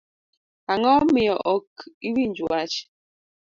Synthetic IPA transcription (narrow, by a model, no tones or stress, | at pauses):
aŋɔmijɔʔɔkibind͡ʒwat͡ʃ